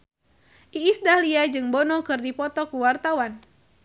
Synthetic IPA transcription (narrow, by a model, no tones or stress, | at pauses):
ʔiːsdahliad͡ʒɨŋbɔnɔkɨrdipɔt̪ɔkuwart̪awan